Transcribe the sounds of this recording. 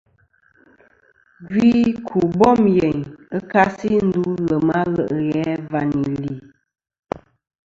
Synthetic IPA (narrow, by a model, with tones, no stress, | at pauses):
ɡwiː˦kʰu˨bɔ˦˨mjɛ˨ɲə˦ka˦si˦n̩˦du˦ɣə˨ma˦ɣə˨ʔə˨ɣɛ˨˦va˨ni˨li˨